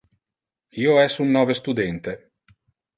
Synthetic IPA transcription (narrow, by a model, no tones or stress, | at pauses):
iːoɛsunːɔːvest̪ud̪ɛnt̪e